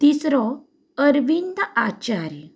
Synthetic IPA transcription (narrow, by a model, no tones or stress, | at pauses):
t̪isɾɔ | əɾʋind̪at͡ɕaɾ